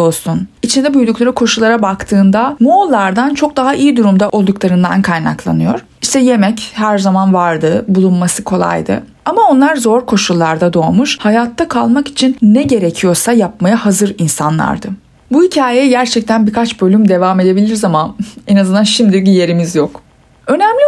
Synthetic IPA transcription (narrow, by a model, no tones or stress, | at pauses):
o̞lˠsunit͡ʃʰind̪ɛbujd̪uklˠaɾikʰo̞ʃulˠaɾabakt̪ʰɯːnd̪amolˠːaɾd̪ant͡ʃʰo̞k̚d̪aɦaʔijid̪uɾumd̪aʔo̞lˠd̪uklˠaɾɯnd̪a̰nkʰajna̰klˠa̰nɯjo̞̰ɾ̥ | iʃt̪ʰɛje̞mɛchæɾzamanvaɾd̪ɯbulˠunmasɯkʰo̞lˠa̰jd̪ɯ̰ | amao̞nlˠaɾzo̞ɾkʰo̞ʃulˠːaɾd̪ad̪o̞ːmuʃhajaːt̪ʰːakʰalˠmaki̥t͡ʃʰinːɛɟe̞ɾe̞cʰijo̞ɾsajap̚majahazɯɾinsanlˠa̰ɾd̪ɯ | buhicʰaːjeɛɟæɾt͡ʃʰɛc̚t̪ʰænbikʰat͡ʃbø̞lʲymd̪e̞vaːme̞d̪e̞bilʲiɾzamaɛnazɯnd̪anʃimd̪iɟije̞ɾimizjok | ø̞næmlʲi